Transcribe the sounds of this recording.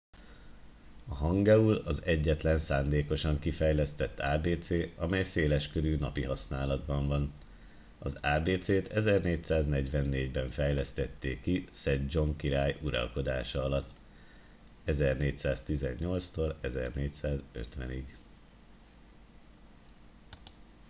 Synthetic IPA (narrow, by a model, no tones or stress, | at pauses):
ɒɦɒŋɡɛulɒzɛɟːɛt̪lɛnsaːnd̪eːko̞ʃɒŋkifɛjlɛst̪ɛt̪ːaːbeːt̪seːɒmɛjseːlɛʃkøɾyːnɒpiɦɒsnaːlɒd̪bɒɱvɒn | ɒzaːbeːt̪seːt̪ʰɛzɛrneːcsaːznɛɟʋɛnːeːɟbɛɱfɛjlɛst̪ɛt̪ːeːkisɛdd͡ʒo̞ŋkiɾaːjuɾɒ̰lko̞d̪aːʃɒɒlɒt̪ː | ɛzɛrneːcsaːst̪izɛ̰ɲːo̞lt̪st̪olɛzɛ̰rneːcsaːzø̞̰t̪ʋɛ̰niɡ